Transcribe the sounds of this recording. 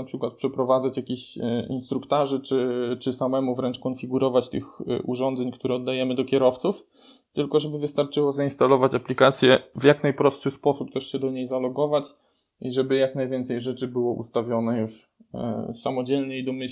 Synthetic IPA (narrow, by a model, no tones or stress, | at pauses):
apʂɘkwat̪̚pʂɛpɾɔvad̪at͡ɕjakʲeɕḭnst̪ɾukt̪aʐɛt͡ʂɘt͡ʂɘsamɛmuvɾɛnt͡ʂkɔnfʲiɡuɾɔvat͡ɕt̪ɘxʔṵʐɔnd̪zɛɲkt̪uɾɛɔd̪ːajɛmɘd̪ɔkʲɛɾɔft̪suf | t̪ɘlkɔʐɛbɘvɘst̪aɾt͡ʂɘwɔzainst̪alɔvat͡ɕaplʲikat̪sʲjɛvjaknajpɾɔstʂɘspɔsupt̪ɛʂɕɛd̪ɔɲejzalɔɡɔvat͡ɕ | iʐɛbɘjaknajvʲɛnt̪sɛjʐɛt͡ʂɘbɘwɔʔṵst̪avʲjɔnɛjuʂ | samɔd͡ʑɛlɲɛid̪ɔmɘ